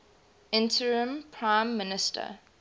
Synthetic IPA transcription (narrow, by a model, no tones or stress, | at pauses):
ɪ̃ntʰəɹə̃mpʰɹãɪ̃mːɪnɪstʰə̰